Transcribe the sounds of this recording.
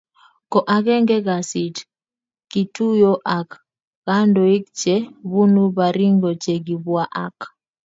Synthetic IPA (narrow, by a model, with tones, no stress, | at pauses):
kɔ˨ʔa˨kɛ˦ŋɡɛ˦ɡa˨si˨t | ki˨tu˦jo˦ʔa˨k | ɣ̥a˦ndɔ˨i˦k̚t͡ʃe˦bu˦nu˦ba˨ɾi˦ŋɡo˨t͡ʃe˨ɡi˨bwa˦ʔa̰˦k